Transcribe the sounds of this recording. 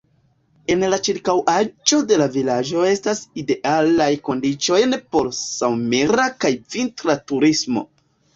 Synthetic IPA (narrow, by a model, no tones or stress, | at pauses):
e̞nlat͡ʃiɾkawʔad͡ʒo̞de̞lavilad͡ʒo̞e̞staside̞ʔalajko̞ndit͡ʃo̞jnpo̞lsawmeɾakajvintɾatuɾismo̞̰